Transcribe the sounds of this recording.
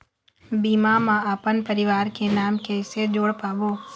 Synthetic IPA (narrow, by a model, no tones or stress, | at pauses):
biːmamãaːpənpəɾɪʋaːɾkenaːmkeɪsed͡ʒoːɽpaːʋoː